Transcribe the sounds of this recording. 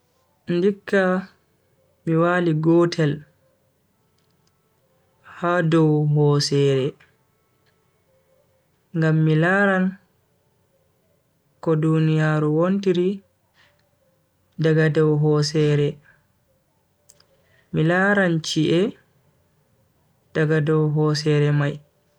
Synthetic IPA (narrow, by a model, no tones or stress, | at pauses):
ndikːa | miwaːliɡɔːtʰɛl | hadɔwɦɔsɛːɾɛ | ŋɡamːilaːɾan | kɔdunijaːɾuwontiɾi | daɡadɔwɦɔsɛɾɛ | milaɾant͡ʃiʔɛ | d̥aɡadɔwɦɔsɛɾɛmaj